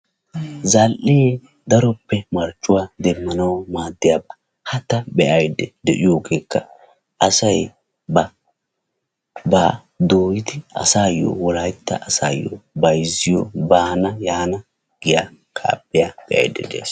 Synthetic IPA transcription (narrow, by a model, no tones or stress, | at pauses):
zɐlʔee | d̪ɐɾɔpːɛmɐɾt͡ʃːʊwaːd̪ɛmːɐnɐwmaːd̪ːɪjabɐ | hɐt̪ːɐbɛʔɐjd̪ɛd̪ɛʔɪjo̞ːɡeːkːɐ | ʔɐsɐj | bɐ | ba | d̪oːjɪd̪ɪɐ̰saːjːo̰ːwɔlajɪt̪ːɐ̰ʔɐsa̰ːjːo̰bɐjzɪjobaːnɐjaːnɐ | ɡ̥ɪjaː | kʰa̰ːpʼːɪjab̥ɛʔɐ̰jd̪ːɛd̪ḛːs